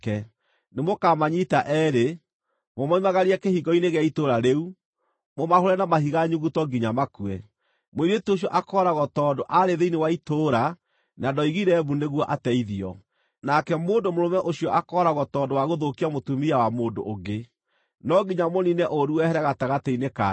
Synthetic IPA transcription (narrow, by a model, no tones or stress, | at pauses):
kɛ | nemokaːmaɲitaʔɛɾe | momaimaɣaɾiɛkehiɡɔineɣɛitoɾaɾeu | momahoɾɛnamahiɣaɲuɣutɔɡiɲamakuɛ | moiɾetioɕ̬jɔʔakɔɾaɣɔtɔːdoʔaɾeðeinewaitoɾa | nadɔiɣiɾɛβuneɣwɔʔatɛiðiɔ̰ | nakɛmoːndomoɾomɛʔoɕiɔʔakɔːɾaɣɔtɔːdowaɣoðokiamotumiawamoːndo̰ʔoɡe | nɔɡiɲamoninɛʔoɾuɛhɛɾɛɣataɣatɛineka